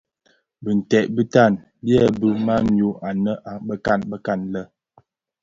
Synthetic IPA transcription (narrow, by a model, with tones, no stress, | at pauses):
bə˨n̩˨tɛ˨ʔbə˦ta˦˨n | bjɛ˦˨bə˦ma˦n˨o˦ʔa˨nə˦ʔa˨bə˦ka˦˨nbə˦ka˦˨nlə˦